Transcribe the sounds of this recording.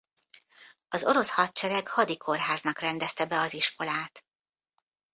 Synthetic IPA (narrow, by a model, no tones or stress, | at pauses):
ɒzo̞ɾo̞shɒt̪̚t͡ʃɛɾɛkhɒd̪ikʰo̞rɦaːznɒkrɛnd̪ɛst̪ɛbɛɒziʃko̞laːt̪